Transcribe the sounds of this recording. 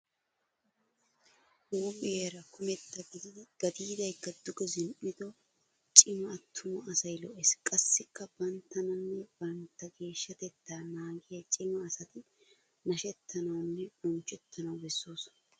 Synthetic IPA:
woːbɪeːɾɐkʊmɛt̪ːɐɡɪd̪ɡ̥ɐd̪iːd̪ɐjkːɐd̪ʊɡɔzɪnɪd̪ɔ | t͡ʃʼɪmɐːt̪ʰːʊmɐɐsɐjlɔʔɛskʼɐsːɪkːɐbɐnt̪ːɐnɐnːɛb̥ɐnt̪ːɐɡe̞ːʃːɐt̪ɛt̪ːaːnaːɡɪjɐt͡ʃʼɪmɐːsɐt̪ɪ | nɐʃɛt̪ʰːɐnɐwnːɛbɔnt͡ʃʼɛt̪ʰːɐnɐwbɛsːoːsɔ̥nɐ

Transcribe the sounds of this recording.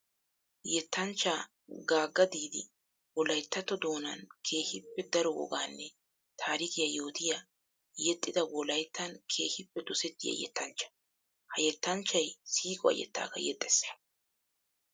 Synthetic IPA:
jɛt̪ːɐnt͡ʃːaː | ɡaːɡːɐd̪iːd̪ɪ̰ | wɔlɐjt̪ːɐt̪ɔd̪o̞ːnɐnkʰe̞ːhɪpːɛd̪ɐɾɔwɔ̰ɡaːnːɛ | t̪ʰaːɾɪkɪjajo̞ːt̪ɪja | jɛt̪ʼːɪd̪ɐwɔlɐjt̪ːɐnkʰe̞ːhɪpːɛd̪ɔsɛt̪ːɪjɐ̰jɛ̰t̪ːɐnt͡ʃːɐ̥ | hɐjɛt̪ːɐnt͡ʃːɐjsiːkʼɔɐ̰jɛ̰t̪ːa̰ːkɐ̰jɛ̰t̪ʼːɛ̥sɐ̥

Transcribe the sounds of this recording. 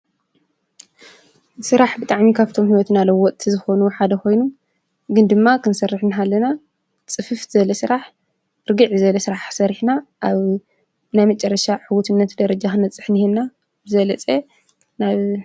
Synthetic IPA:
sɨɾaħbɨt̪ʼaʕmikʰaβt̪ʰo̞mhiwɔt̪nalɐwɔt̪ʼt̪ʰizɨxo̞nuħad̪ɐkʰo̞jnum | ɡɨnd̪ɨmːakʰɨnsɐrːɨħnɨɦalːɐna | t͡sʼɨfɨfzɐlɐsɨɾaħ | ɾɨɡɨʕizɐlɐsɨɾaħsɐɾiħnaʔaβ | najmɐt͡ʃʼɐrːɐʃaʕuwut̪ʰɨnːɐt̪d̪ɐɾɐd͡ʒaxɨnɐt͡sʼːɨħnihenna | bɨzɐlɐt͡sʼe | naβ

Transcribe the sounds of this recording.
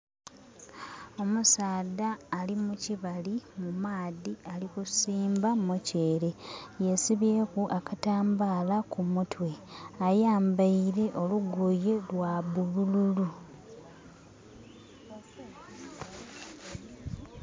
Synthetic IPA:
o̞musaːdaːlimuciβalimumaːðialikusiːmbamoce̞ːɾe̞je̞siβe̞ːkuʔakataːmbaːlakumutwe̞ajaːmbaiɾe̞ʔo̞luɡoje̞lwaβulululu

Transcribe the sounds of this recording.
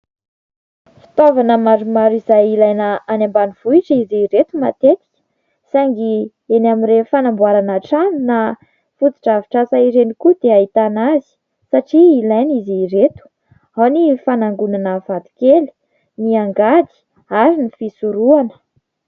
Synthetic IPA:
fi̥t̪ovanəmaɾumaɾizajilajnəanambaniv̥uiʈ͡ʂəiziiɾet̪umat̪et̪i̥kʲə̥ | saŋɡi | enamirefanambuaɾanaʈ͡ʂanina | fut̪i̥ʈ͡ʂaviʈ͡ʂasaiɾenikud̪eait̪anazi̥ | saʈ͡ʂiːlajniziiɾet̪u̥ | awnifanaŋɡunanəv̥ad̪i̥keli̥ | niaŋɡad̪i̥ | aɾinifisuɾuanə̥

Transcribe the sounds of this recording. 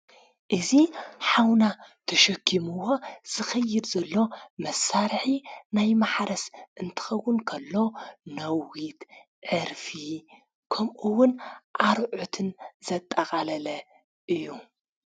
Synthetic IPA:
ʔɨziħawnat̪ʰɐʃɐkʰːimuwo̞z̥ɨxɐjːɨd̪zɐlːo̞mɐsaɾħinajmaħɾɐsʔɨnt̪ʰɨ̥xɐwːʊnkʰɐlːo̞nɐwwit̪ | ʕɨɾfi | kʰɐmʔuwʊnʔaɾʕut̪ʰɨnz̥ɐt̪ʼːɐxʼalɐlɐ | ʔɨjːu

